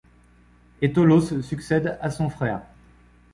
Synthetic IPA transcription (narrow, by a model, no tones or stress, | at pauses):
et̪olosəsyksɛd̪asɔ̃fχɛːʁ